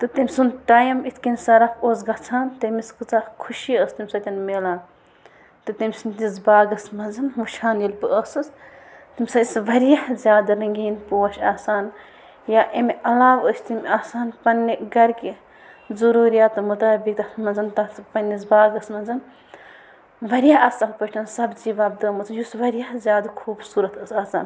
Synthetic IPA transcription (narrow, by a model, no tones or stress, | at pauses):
t̪ɨt̪imʲsunʈaːjɐmit̪ʰʲkinʲsɐɾɐkoːsɡɐt͡sʰaːnt̪ɐmiskɨt͡sakʰuʃiəːst̪imʲsɐt̪ʲɐnmeːlaːn | t̪ɨt̪imʲsunʲt̪izbaːɡɐsmɐnzɐnʋuʃaːnjilpɨʔəsɨs | t̪imʲsɐisʋɐɾijɐhzʲjaːd̪ɐɾɐŋɡʲiːnpuɐʃʲaːsaːn | jaːʔemiʔɐlaːʋəːsʲt̪imʲaːsaːnpɐnːiɡɐɾkʲi | zɐɾuːɾijaːt̪ɨmut̪aːbik̚t̪ɐmɐnzɐnt̪ɐspɐnːizbaːɡɐsmɐnzɐn | ʋɐɾʲjaɐsɐlpɐʈʰɐnsɐbd͡ʒiʋaːb̚d̪əːmɐt͡sɨjusʋɐɾijɐhzʲjaːd̪kʰuːbsuːɾɐt̪ɐsaːsa̰ːn